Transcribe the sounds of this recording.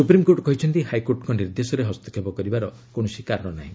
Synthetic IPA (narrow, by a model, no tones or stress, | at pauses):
supɾimkoɾʈkɔɦit͡ʃʰɔnt̪ihajkoɾʈɔkɔniɾd̪esɔɾeɦɔst̪ɔ̥kʰebɔkɔɾibaɾɔ | koɽ̃ɔsikaɾɔɽ̃ɔnaɦĩ